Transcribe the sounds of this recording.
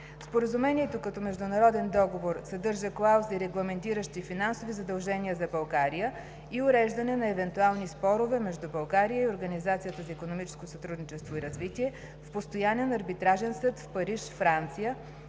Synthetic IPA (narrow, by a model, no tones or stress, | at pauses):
spoɾəzumɛniɛt̪okɐt̪ɔmɛʒd̪ʊnɐɾɔd̪ɛnd̪ɔɡovoɾsɐd̪ɤɾʒəklˠawsiɾɛɡlˠɐmɛnt̪iɾəʃt̪ifinansovizɐd̪ɐlˠʒɛniəzɐbɐlˠɡaɾijə | iʊɾɛʒd̪ɐnɛnɐɛvɛnt̪ualˠnispɔɾʊvɛmɛʒd̪ubɐlˠɡaɾijəioɾɡənizat̪sijət̪əzɐikonomit͡ʃɛ̥skosɐt̪ɾud̪nit͡ʃɛst̪voiɾɐzvit̪iɛ | fpost̪ojanɛnɐɾbit̪ɾaʒɛnsɤt̪fpɐɾiʃfɾant̪sijə